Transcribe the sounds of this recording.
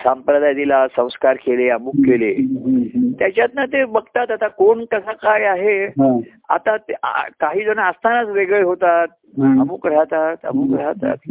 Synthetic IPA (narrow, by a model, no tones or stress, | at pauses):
sampɾəd̪ʱajd̪ilasə̃w̃skaɾkeleəmuːkːeleɦt̪jat͡ɕjat̪nat̪ebəɡt̪at̪at̪akoɳkəsakajaɦeɦ | a̰t̪at̪kaɦiːd͡zonaast̪ʰanat͡sʋeɡɭeɦot̪at̪̚ | əmuːkɽ̤at̪at̪ə̰muːkɽ̤at̪a̰t̪